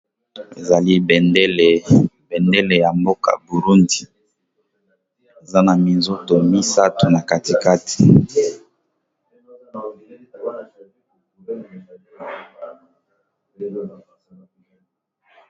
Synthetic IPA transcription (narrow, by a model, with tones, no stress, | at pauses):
e˨za˨li˦bnde˦le˨ | bɛ˨nde˦le˨ja˨mbo˦ka̰˨bu˨ɾu˦ndi˨ | e˨za˦na˨mi˨nzo˦to˨mi˦sa˦tu˨na˨ka˨ti˨ka˦ti̥˨